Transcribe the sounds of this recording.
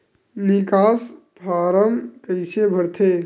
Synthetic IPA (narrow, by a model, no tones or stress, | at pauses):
nikaspʰaːɾəmkəɪsebʱəɽt̪ʰe